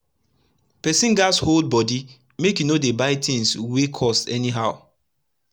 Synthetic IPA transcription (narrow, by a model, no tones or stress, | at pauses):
pɛsĩnɡashold̚bɔdi | mekjunodebaɪtĩŋswekʰɔstɛniɦaʊ